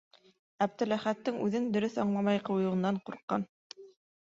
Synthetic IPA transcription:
æb̚t̪ɘ̆læχæt̪ːɘŋʉðɘŋd̪ɵ̆ɾɵθɑɴlˠɑmɑjqɤ̆wjɤ̆ɤ̆nːɑɴquɾqːɑ̰n

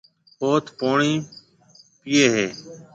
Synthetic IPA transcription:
oːt̪ʰpoːɳiː | pɪːeːɦeː

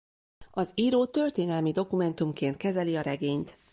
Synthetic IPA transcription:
ɒziːɾoːt̪ø̞rt̪eːnɛlmid̪o̞kumɛnt̪umkeːnt̪kɛzɛliɒɾɛɡeːɲt̪

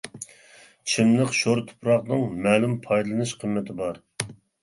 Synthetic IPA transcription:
t͡ʃʰimləqʃoɾt̪ʰʊ̥pɾɑqnɨŋmɛːlumpʰɑjd̪ɨlˠɨnɨʃqʰəmːɪt̪ʰɪbɑɾ

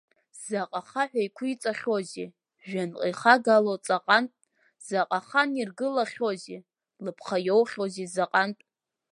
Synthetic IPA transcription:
z̥aqʼaχaħʷᶣajkʷʰʊit͡sʼaχʲozḭ | ʒᶣanqʼiχaɡalot͡sʼaqʼantʼ | z̥aqʼaχanirɡɨlaχʲozi | lɨpʰχajowχʲozizaqʼantʼ

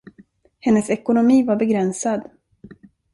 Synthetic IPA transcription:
hɛnːəsɛkʊnʊmiːvaɾbɛɡɾɛnsad̪

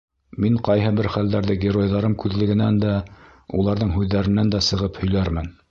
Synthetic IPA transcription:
miɴqɑjɦɤbɘɾχæld̪æɾðɘɡʲɪro̞jðɑɾɤmkʉðlɘ̆ɡɘ̆nænd̪æ | ulˠɑɾðɤɴɦʉðːæɾɘ̆nænd̪æsɤ̆ʁɤphɵ̆jlæɾmɘn

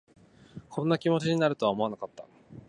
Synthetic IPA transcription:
kʰõ̞nːakʲimo̞t͡ɕiɲ̟inaɾɯ̟t̪oaomo̞anakat̪ːa

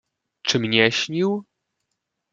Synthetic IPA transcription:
t͡ʂɘmɲɛɕɲiw

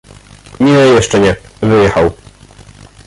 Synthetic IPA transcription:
minɘjɛʂt͡ʂɛɲɛvɘjɛxaw

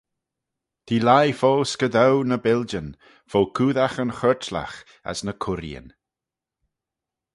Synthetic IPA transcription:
t̪ʰiːlajfoːskəd̪awnəbɪld͡ʒən | fowkʰuːðaxənxɜɹtla̰x | a̰snəkʰʊɾjə̰n

